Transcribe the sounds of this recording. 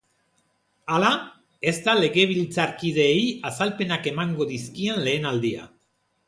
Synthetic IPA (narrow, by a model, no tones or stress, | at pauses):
ala | e̞zt̪ale̞ɣe̞β̞ilt͡saɾkið̞e̞jasalpe̞nake̞maŋɡo̞ðiskienle̞ːnald̪ia̰